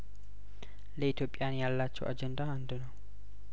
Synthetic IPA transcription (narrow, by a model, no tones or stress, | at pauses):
lɛit̪opʼːijanjalːat͡ʃːɔ̰ʔa̰d͡ʒɛndahandunɔ